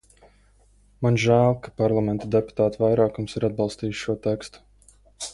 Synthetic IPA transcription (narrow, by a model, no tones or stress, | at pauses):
manʒæːlˠkḁpaɾlˠamɛnt̪ad̪epu̥t̪aːt̪vajɾaːkumsiɾad̪̚bɑlˠst̪iːjʃʃuɔt̪ɛkst̪u̥